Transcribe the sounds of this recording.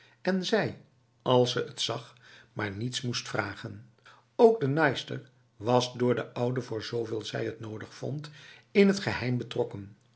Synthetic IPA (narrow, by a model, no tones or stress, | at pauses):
ɛnzɛj | ɑlˠsəʔətsɑχ | maːɹnitsmustfraːχən | owɡ̚dənɑjstə̰ɹ | ʋɑsdʊːɹdəʔʌwdəvʊːɹzowveːlˠzɛ̰jətnowdəχfɔ̰ntɪnɦətχəɦɛjmbətrɔkən